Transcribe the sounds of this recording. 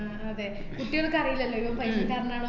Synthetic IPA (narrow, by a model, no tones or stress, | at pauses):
ɐðe | kuʈːijoɭkːɐrɐjilɐlːoːiʋɐmpɐjsit̪aːɾɐnaːɳo